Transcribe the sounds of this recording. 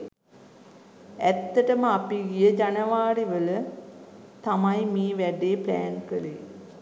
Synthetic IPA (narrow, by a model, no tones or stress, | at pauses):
æt̪ːəʈəməapiɡijəd͡ʒanəʋaːɾiʋələ | t̪amajmiːʋæɖeːplæ̰ːnkəli